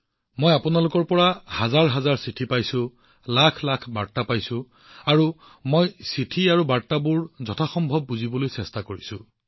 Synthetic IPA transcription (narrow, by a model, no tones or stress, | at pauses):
mojapunalʊkɔɹpɔɹahazaɹɦazaɹsitʰipajsuʊ̃ | lakʰlakʰbaɹtapajsʊ̃ | aɹu | mojsitʰiaɹubaɹtabuɹzɔtʰaxɔmbʱɔb̚ːuzibɔlojsɛstakoɹisʊ̃